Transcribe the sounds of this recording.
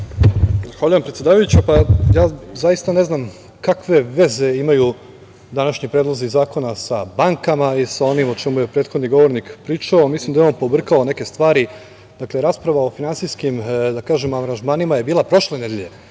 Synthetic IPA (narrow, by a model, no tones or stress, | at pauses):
zaxʋaʎujempɾet̪sje̞d̪aːʋajut͡ɕapajaːzajist̪ane̞znam | kakʋe̞ʋe̞ze̞imaju | d̪anaʃɲipɾed̪lˠozizaːko̞nasabaŋkamaisao̞nimo̞t͡ʃemuje̞pɾeːt̪xod̪niɡo̞ʋo̞ɾnikpɾiːt͡ʃaomislˠimd̪ajo̞npo̞br̩kaone̞ke̞st̪ʋaːɾi | d̪akle̞ɾaːspɾaʋaofinantsijskimd̪akaːʒemaʋɾanʒmaːnimajebiːlˠapɾo̞ʃlened̪jeʎe̞